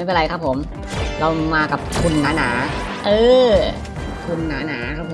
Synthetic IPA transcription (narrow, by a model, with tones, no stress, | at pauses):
a˥˩jpe˧n˧ɾa˧jkʰa˦˥pʰːo˩˦m | ɾa˧wmaː˧ka˨˩p̚kʰu˧nːaː˩˦˥naː˩˦ | ʔɤː˧ | kʰu˧nːaː˩˦naː˩˦kʰa˦˥pʰːo˩˦